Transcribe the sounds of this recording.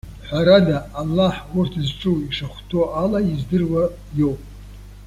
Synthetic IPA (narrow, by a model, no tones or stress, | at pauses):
ħʷaɾadaːlːaħwʊrtʰzʈ͡ʂʼuwiʂaχʷtʰoalaizdɨrwa | jo̞wpʼ